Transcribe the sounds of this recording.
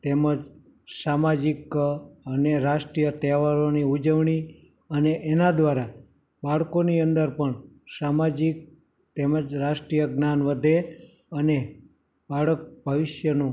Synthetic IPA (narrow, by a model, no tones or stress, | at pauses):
t̪eməd͡ʒ | samad͡ʒikəneɾaʃʈɾijət̪ɛʋaɾoniud͡ʒəʋɳ̃i | əneʔenad̪ʋaɾa | baɭkoniənd̪əɾpəɳ | samad͡ʒik̚ | t̪eməd͡ʒɾaʃʈɾijəɡnanʋəd̪ʱe | əne | baɭək̚bʱəʋɪʃjənũ